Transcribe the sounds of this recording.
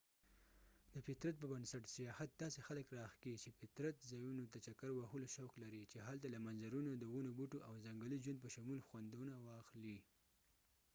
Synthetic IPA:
d̪̥əfɪt̪ɾat̪̚pəbənsaʈsijɑhat̪̚d̪ɑsexaləkɾɑxket͡ʃefɪt̪ɾat̪zɑjunot̪at͡ʃakaɾwahuloʃawklaɾit͡ʃeɦalt̪alamanzaɾunod̪əwunobuʈoʔawzaŋɡalid͡ʒwand̪̚pəʃamulxwand̪unawɑxli

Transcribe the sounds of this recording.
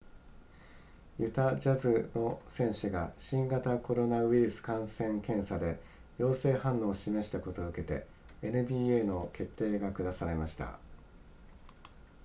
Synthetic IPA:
jɯ̟t̪ad͡ʑazɨno̞sẽ̞ɰ̃ɕɨɡaɕĩŋɡat̪ako̞ɾo̞naɯiɾɯ̟sɨ̥kãɰ̃sẽ̞ŋkẽ̞ɰ̃sad̪e̞ | jo̞ːse̞ːhãnːo̞ːɕime̞ɕi̥t̪ako̞t̪o̞ɯ̟ke̞t̪e̞̰ | enɯ̟bʲiːeːno̞ke̞t̪ːe̞ːɡakɯ̟d̪asaɾe̞maɕi̥t̪a̰

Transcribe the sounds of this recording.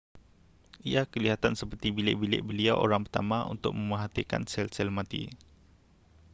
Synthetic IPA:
ʔiakəliɦat̪ansəpərt̪ibilɪʔbilɪ̰ʔbəliawʔo̰ɾaŋpərt̪a̰mãʔṵnt̪ʊk̚mə̃məɦat̪ika̰nsɛlsɛlmãt̪ḭ

